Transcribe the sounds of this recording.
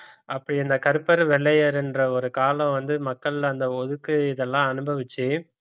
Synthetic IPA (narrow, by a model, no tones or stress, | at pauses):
ʔɐpːɐɽiɐnd̪ɐkɐɾɯpːɐɾʋɛɭːɐjɐɾɛndrɐɔɾɯkaːlɐ̃ʋɐnd̪ɯmɐkːɐɭlɐɐnd̪ɐɔðɯkːɯɪðɛlːãːɐnɯbɐʋɪt͡ʃːɯ